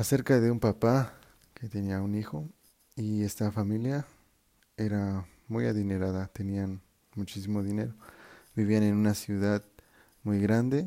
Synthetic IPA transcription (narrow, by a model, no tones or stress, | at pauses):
ase̞ɾkaðe̞umpapa | ket̪eniaunixo̞ | ie̞st̪afamilja | e̞ɾa | mujaðineɾaðat̪e̞nian | mut͡ʃis̬imo̞ðine̞̰ɾobiβiane̞nunasjuðað | mujɣɾand̪e